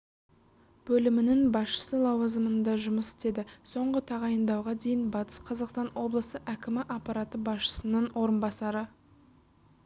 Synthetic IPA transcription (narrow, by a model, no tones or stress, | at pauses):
b̥ɵlɪmɪnɪŋbɑsʃə̥səlˠɑwɑzəmənd̪ɑʒʊməsɪ̥t̪e̞d̪ɪso̞ɴʁət̪ʰɑʁɑjənd̪ɑwʁɑd̪e̞jɪnbɑt̪ə̥sqʰɑzɑqst̪ɑnwo̞blˠəsəʔækʲɪmɪʔɑqpɑɾɑt̪əbɑsʃə̥sənəɴwʔo̞ɾənbɑsɑɾə